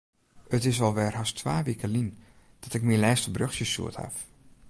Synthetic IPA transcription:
ətɪs̬ʋɔlˠʋɛrhastʰʋaːʋikəlin | d̥ɔtɪk̚minlɛːstəbrøxsjəsṵətha̰f

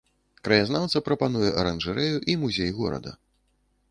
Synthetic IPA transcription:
kɾɐjaznawt̪sɐpɾɐpanujɛʔɐɾɐnʐɛɾɛjuʔimuzʲejɣɔ̰ɾɐ̰d̪ɐ̰

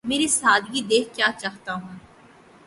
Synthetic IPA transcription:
meːɾisaːd̪ʱɡid̪eːkʰkjaːt͡ʃaːɦt̪aɦũː

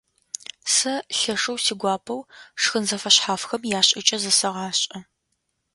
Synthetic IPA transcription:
sɐɬɐʂɐwsiːɡʷɑːpʰɐwʂxɨnzɐfɐɕħaːfxɐmjaːɕʼɪt͡ʃʼɐzɐsɐʁɑːɕʼɐ

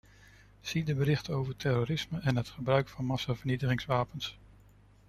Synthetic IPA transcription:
z̥idəbəɾɪχtəowvəɹtʰɛɾoɾɪsməɛnɦətχəbrœɥkfɑnmɑsavəɹnitəχɪŋsʋaːpəns

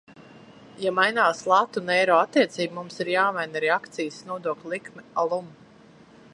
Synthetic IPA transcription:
jamajnaːslˠat̪ːunɛjɾɔːat̪ːiɛt̪siːbmumsiɾjaːmajnaɾɛakt̪sijsnuɔd̪uɔklʲulˠikmialˠum

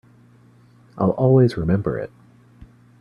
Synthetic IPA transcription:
ʔaɪlˠʔɔlˠwizɹɨmɛ̃mbə̰˞ɪ̰t̚

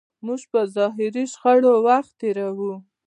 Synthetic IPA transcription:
muʒpəzɑɦɪɾiʃxaɽowaxt̪ːeɾawu

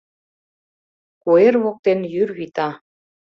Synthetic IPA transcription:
kuerβok̚t̪enjyɾβit̪ɑ

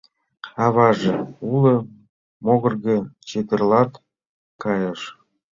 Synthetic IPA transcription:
ɑβɑʒeulɤ̆ | moɣɤ̆rɣet͡ɕet̪ə̆rlɑt̪ | kɑjəʃ

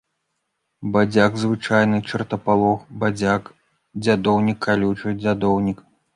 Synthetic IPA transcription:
bad͡zʲaɡzvɨt͡ʂajnɨt͡ʂɨrt̪ɐpalˠɔxbad͡zʲak | d͡zʲad̪ɔwnʲikʰːalʲut͡ʂɨd͡zʲad̪ɔwnʲik

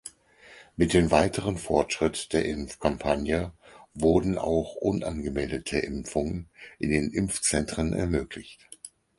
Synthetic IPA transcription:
mɪt̚d̥eːmvaɪtʰəʁ̞ənfɔɐtʃʁ̥ɪtd̥eːɐʔɪmfkʰampʰanjəvʊɐdn̩ʔa̰ʊxʔʊnʔa̰nɡəmɛldətʰəʔɪmfʊŋənʔɪndeːnʔɪmft͡sɛntʁ̥ənʔɛ̰ɐmøːkʰlɪçt

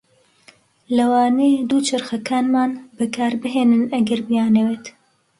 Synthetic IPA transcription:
lɐwaːned̪ut͡ʃʰɐɾxɐkaːnmaːnbɨkʰaːɾbɨɦeːnɨnɐɡɐɾbijaːnɐweːt̪

